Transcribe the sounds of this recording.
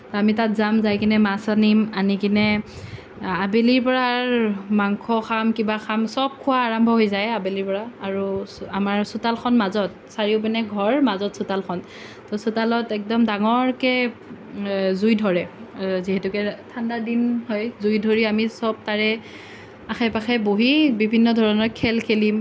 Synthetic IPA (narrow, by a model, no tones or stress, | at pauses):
tɔamitatzamzajkinɛmasanimanikinɛ | abeliɹpɔɹaɹmaŋkʰɔxʰamkibaxʰamsɔb̚kʰʊwaːɹambʱɔɦojzajabeliɹpɔɹaːɹuamaɹsʊtalxʰɔnmazɔt̚ | saɹiʊp̬ɛnɛɡʱɔɹmazɔtsutalxʰɔn | tɔsutalɔtɛk̚dɔmdaŋɔɹkɛ | zujdʱɔɹɛziɦɛtʊkɛtʰandadinhɔjzujdʱoɹiamisɔb̚taɹɛ | axʰɛpaxɛboɦibibʱinːɔdʱɔɹɔnɔɹkʰɛlkʰelim